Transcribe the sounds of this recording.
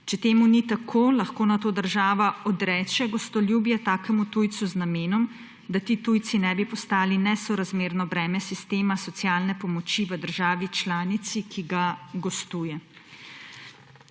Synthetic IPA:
t͡ʃɛt̪eːmunit̪akʰoːlaxkoːnat̪oːd̪əɾʒaːʋaɔd̪ɾɛːt͡ʃɛɡɔst̪ɔljuːbjɛt̪aːkɛmut̪uːjt̪suznameːnɔm | d̪at̪iːt̪uj̪sinɛbipɔst̪aːlinɛsɔɾazmeːɾnɔbɾɛːmɛsist̪eːmasɔt̪sijaːlnɛpɔmɔt͡ʃiʋəd̪əɾʒaːʋit͡ʃlaːnit̪sikʰiɡaɡɔst̪uːjɛ

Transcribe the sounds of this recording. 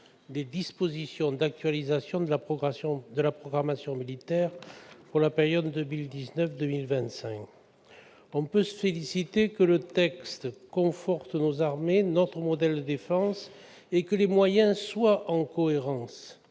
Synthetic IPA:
d̪ed̪ispozisjɔ̃d̪ak̚t̪ɥalizasjɔ̃d̪əaɔsɔ̃d̪əlapχɔɡʁamasjɔ̃milit̪ɛʁpuʁlapeʁjɔd̪ːəmild̪iznœfd̪əmilvɛ̃nt̪sɛ̃k | ɔ̃pøsəfelisit̪ekələt̪ɛkst̪kɔ̃fɔʁt̪nozaʁmenɔt̪χəmɔd̪ɛld̪əd̪efɑ̃s | ekəlemwajɛ̃swaʔɑ̃kɔeʁɑ̃s

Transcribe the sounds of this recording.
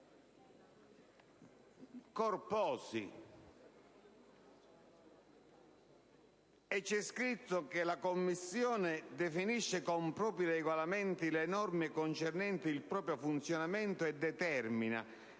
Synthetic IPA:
kɔrpɔːsḭ | ɛt͡ʃːɛskɾit̪ːʊkelakomːisːjɔːnɪd̪ɛfiniʃːɪkɔmpɾɔːpɾileːɡwalamɛnt̪ilɛnɔrmɪkont͡ʃɛrnɛnt̪iilpɾɔːpɾjofunt̪sjonamɛnt̪oɛd̪ːɛt̪ɛrmina̰

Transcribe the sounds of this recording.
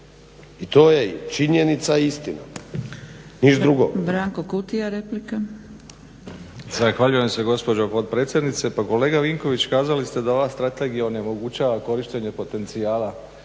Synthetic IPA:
it̪oːjeḭt͡ʃiɲenit̪saist̪ina̰ | niʃd̪ɾuɡo̰bɾaːŋkokut̪ijaɾeplika | zaxʋaʎujemse̞ɡo̞spo̞d͡ʑopot̪̚pɾe̞ːt̪sje̞d̪nit̪se̞pako̞le̞ːɡaʋiŋko̞ʋit͡ɕkaːzalist̪e̞d̪ao̞ʋast̪ɾat̪e̞ɡijao̞neomo̞ɡut͡ɕaːʋako̞ɾiʃt̪e̞ɲe̞po̞t̪e̞nt̪siaːla

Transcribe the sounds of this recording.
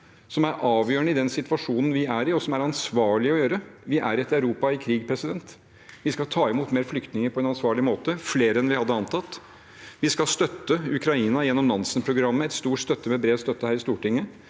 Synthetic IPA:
sɔmæɾʔɑːʋjøːɳəɪd̪ɛnsɪt̪ʋɑʂuːnn̩ʋɪæɾɪɔsɔmæɾɑnsʋɑːɭɪɔjøːɾəʋɪʔæ̰ɾɪɛt̪ɑʉɾuːpɑɪkʰɾiːɡ̚pʰɾɛsɪd̪ɛnt̪ | ʋɪskɑlt̪ʰɑːɪmuːt̪meːɾflʏkt̪nɪŋəɾpʰɔɛnɑnsʋɑːɭɪmoːt̪əfleːɾəɛnʋɪhɑd̪ːəɑnt̪ɑt̪ː | ʋɪskɑlst̪œt̪ːəʉkɾɑiːnɑjɛnːɔmlɑnsənpʰɾʊɡɾɑmːəɛt̪st̪uːʈst̪œt̪ːəmɛbɾeːst̪œt̪ːəhæːɾɪst̪uːʈɪŋːə

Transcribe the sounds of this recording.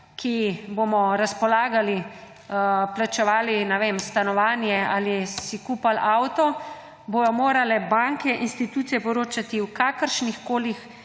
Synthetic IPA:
kʰiboːmɔɾaspɔlaːɡali | plat͡ʃɛʋaːlinɛʋeːmst̪anɔʋaːnjɛalisikuːpalaːwt̪ɔ | boj̪ɔmoːɾalɛbaŋkɛʔinst̪it̪uːt̪sijɛpɔɾoːt͡ʃat̪iwkaːkəɾʃnixkoːlix

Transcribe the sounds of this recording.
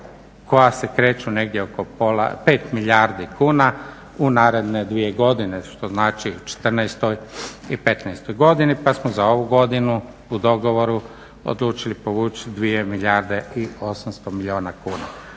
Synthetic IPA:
kʰo̞jase̞kɾe̞ːt͡ʃune̞ɡd̪jeokopola̰pe̞ːt̪milʲaɾd̪ikuːna | unaːɾe̞d̪ne̞d̪ʋije̞ɡo̞d̪ine̞ʃt̪o̞znaːt͡ʃiut͡ʃe̥t̪ər̩nɛjst̪o̞jipe̞t̪nɛjst̪ojɡo̞d̪inipasmozao̞ʋuɡo̞d̪inu | ud̪o̞ɡo̞ʋoɾu | o̰d̪lˠuːt͡ʃilipo̞ʋuːt͡ʃid̪ʋie̞milʲaɾd̪e̞io̞samst̪omilʲioːnakuːna̰

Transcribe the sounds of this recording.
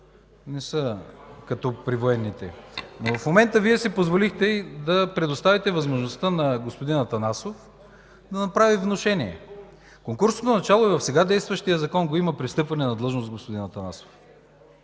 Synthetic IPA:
nɛsəkɐt̪ɔpɾivoɛnːit̪ɛnovɐfmomɛnt̪əviɛsipozvolixt̪ɛid̪ɐpɾɛd̪ost̪avit̪ɛvɐzmoʒnost̪ənɐɡospod̪inɐt̪ɐnasof | d̪ɐnɐpɾavivnoʃɛniɛ̰ | koŋkuɾsot̪onɐt͡ʃalˠoivɐfsɛɡad̪ɛjst̪vəʃt̪ijɐzɐkɔnɡoimɐpɾist̪ɤpvɐnɛnɐd̪lˠɤʒnosɡospod̪inɐt̪ɐnaso̥f

